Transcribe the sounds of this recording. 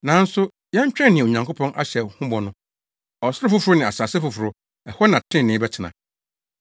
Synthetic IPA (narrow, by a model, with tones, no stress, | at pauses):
nã˨˦n̩˦sʊ˦ | jɛ̃˦ɲ˦t͡ɕᶣɾɛ̃˦nɪ̃˨ɲã˨ŋkʰo˦pʰɔ̃˦nʔa̰˦ɕɛ˨hʊ̃˦bɔ˨nʊ̃˦ | ɔ˨sɪ˦ɾʊ˦fʊ˦fʊ˨ɾʊ˦nɪ̃˨a̰˨saː˨sɛ˦fʊ˨fʊ˨ɾʊ˨ | ɛ˨hɔ˦nã˨tʰɪ̃˦˨nɪ̃˦bɛ˦t͡ɕʰɪ˨nã̰˨